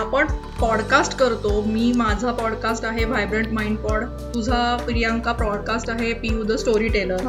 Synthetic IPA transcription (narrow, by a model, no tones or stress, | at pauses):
apəɳ | pɔɽkasʈkəɾt̪omiːmad͡zʱapɔɽkasʈaɦeʋajbɾəɳʈmaiɳɖpɔɽ | t̪ud͡zʱapɾijãŋkapɾɔɽkasʈaɦepiud̪əsʈoɾiːʈeləɾ